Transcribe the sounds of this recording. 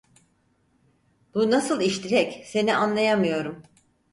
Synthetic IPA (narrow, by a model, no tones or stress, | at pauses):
b̥unasɯlˠiʃt̪ʰiɾɛcse̞niʔanlˠajamɯjo̞ɾum